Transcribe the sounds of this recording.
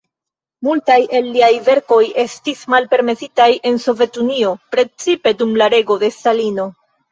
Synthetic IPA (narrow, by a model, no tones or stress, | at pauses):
multajʔe̞lːiajve̞ɾko̞je̞stismalpe̞ɾme̞sitajʔe̞nso̞ve̞tunio̞pɾe̞t͡sipe̞dumlaɾe̞ɡo̞de̞stalino̞